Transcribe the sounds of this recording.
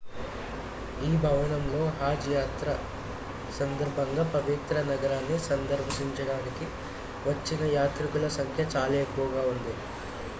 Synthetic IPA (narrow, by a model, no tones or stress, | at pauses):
iːbʱɐʋɐnɐmlo̞ːɦaːd͡ʒjaːt̪ɾɐ | sɐnd̪ɐɾbʱɐŋɡaːpɐʋit̪ɾɐnɐɡɐɾaːnːisɐnd̪ɐɾbʱisiɲt͡ʃɐɽaːniki | ʋɐt͡ʃːinɐjaːt̪ɾikulɐsɐŋkʰjɐt͡ʃaːle̞ːkːuʋɐɡaːund̪i